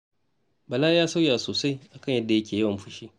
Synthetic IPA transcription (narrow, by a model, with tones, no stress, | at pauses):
bɐ˨laː˦jaː˦sa˦wjaː˨soː˨sa˦jʔa˨kɐ˦˨ɲjɐ˦dːa˨jɐ˦kʲʰeː˨jɐ˦wɐ˨mɸʊ˦ʃiː˦